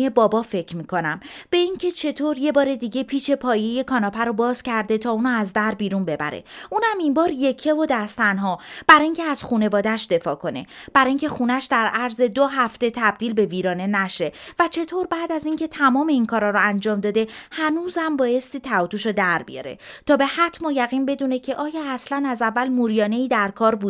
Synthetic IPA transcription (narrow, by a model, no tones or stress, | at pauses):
ebɒːbɒːfe̞cʰɾmiːkʰo̞næmb̥e̞iŋcʰe̞t͡ʃʰe̞t̪ʰoɾje̞bɒːɾe̞d̪iːɟe̞pʰiːʃe̞pʰɒːje̞jekʰɒːnɒːpʰæɾobɒːz̥cʰæɾd̪e̞t̪ʰɒːuːnɒæzd̪æɾbiːɾunbe̞bæ̰ɾḛʔuːnæmimbɒːɾje̞cʰe̞vod̪æst̪ʰænɦɒb̥æɾɒːiŋcʰeæz̥xuːne̞vɒːd̪æʃd̪e̞fɒːkʰo̞ne̞̰b̥æɾɒːiŋcʰʲe̞xuːnæʃd̪æɾæɾze̞d̪oɦæft̪e̞t̪ʰæb̚d̪iːlbe̞viːɾɒːne̞næʃe̞væt͡ʃʰe̞t̪ʰoɾbæːd̪æziŋcʰe̞t̪ʰæmɒːme̞inkʰɒːɾɒːɾɔænd͡ʒɒːmd̪ɒːd̪e̞hænuːzæmbɒːje̞st̪iːt̪ʰæut̪uʃod̪æɾbḭjɒ̰ɾe̞̰t̪ʰɒːbe̞hæt̪ʰmɔjæɣiːnbe̞d̪uːne̞cʰe̞ʔɒːjɒːæslænæzævːælmuːɾijɒːne̞iːd̪æɾkʰɒːɾbuːd̪